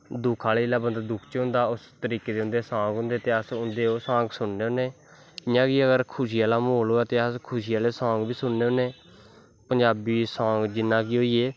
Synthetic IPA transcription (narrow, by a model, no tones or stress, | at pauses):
d̪ʊkʰaːleːɪlaːbənd̪d̪ʊkʰt͡ʃɦʊ̃nd̪aːʊst̪əɾiːkeːd̪eʊ̃nd̪eːsãːŋɡɦʊ̃nd̪eːt̪eːəsʊnd̪eːoːsãːŋɡsʊnneːɦoːneː | ɪjãːkiːəɡəɾkʰʊʃiːaːlaːmoːloːɛːt̪eːəskʰʊʃiːaːleːsãːŋɡbʱiːsʊnːeːɦõːneː | pəɲd͡ʒaːbiːsãːŋɡd͡ʒɪnːãːkiːɦoːiːeː